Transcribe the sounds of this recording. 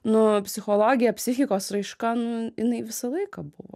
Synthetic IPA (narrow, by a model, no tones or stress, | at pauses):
nʊpʲsʲɪxoːlˠoːɡʲɪjɛpʲsʲɪxʲɪkoːsɾɐɪʃkɐnʊɪnɐɪʋʲɪsɐlˠɐɪkɑbʊʋo̰ː